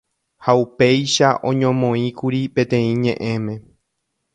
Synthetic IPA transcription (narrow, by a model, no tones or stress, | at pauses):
haupe̞jʃaʔõ̞̰ɲõmõ̞ĩkuɾipẽ̞t̪ẽ̞ĩɲẽ̞ʔẽ̞mẽ̞